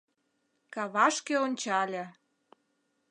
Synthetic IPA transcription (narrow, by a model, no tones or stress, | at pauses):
kɑβɑʃkeonʲt͡ɕɑlʲĕ